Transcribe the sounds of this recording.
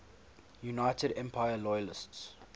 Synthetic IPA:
junaɪtədɛ̃mpʰaɪəlɔjəlɪsts

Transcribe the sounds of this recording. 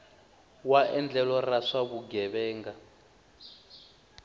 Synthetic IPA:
waʔɛnd͡ɮɛlɔraʂaβuɡɛβɛːŋɡa

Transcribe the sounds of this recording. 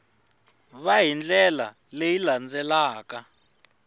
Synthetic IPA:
βaɦind͡ɮɛla̰ | lejiland͡zɛlaːka

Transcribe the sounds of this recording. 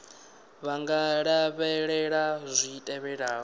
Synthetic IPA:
βaŋɡaɺaβɛɺɛɺazʷitʼɛβɛɺaːɔ

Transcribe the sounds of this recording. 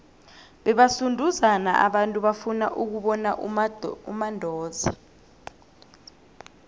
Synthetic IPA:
ɓɛɓasundʱuzana̰ʔa̰ɓantʼuɓafunaʔuk̬uɓɔnaʔumandʱɔːza

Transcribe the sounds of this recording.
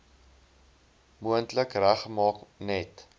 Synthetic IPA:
muəntləkræχəmɑːknɛt

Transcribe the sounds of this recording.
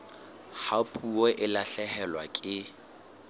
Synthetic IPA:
hapʰʼuɔʔɪlaɬɛhɛlwa̰kʼɪ

